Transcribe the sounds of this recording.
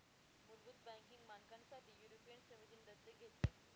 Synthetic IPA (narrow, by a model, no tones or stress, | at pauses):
muɾbut̪̚bæ̃ŋkiŋɡmankãnsat̪iːjuɾopijənsəmid͡ʑiːnd̪əd̪ːəɡʱet̪ːe